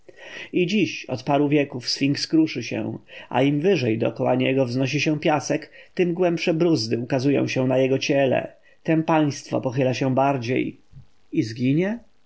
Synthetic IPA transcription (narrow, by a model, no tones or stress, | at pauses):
id͡ʑiɕɔ̰t̪paɾuvʲjɛkufsfʲiŋkskɾuʂɘɕɛ̰ʔa̰imvɘʐɛjd̪ɔɔkɔwaɲɛɡɔvznɔɕ̬iɕɛ̃pʲjasɛkt̪ɘmɡwɛmpʂɛbɾuzd̪ɘukazujɔ̰̃w̃ɕɛ̃najɛɡɔt͡ɕɛlɛ̰ | t̪ɛmpaj̃st̪fɔ̰pɔxɘlaɕɛ̃baɾd͡ʑḛj | izɡʲiɲɛ